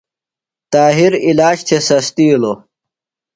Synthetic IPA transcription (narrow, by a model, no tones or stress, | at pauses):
t̪aːɦiɾilaːɕt͡ɕʰesɐst̪ilo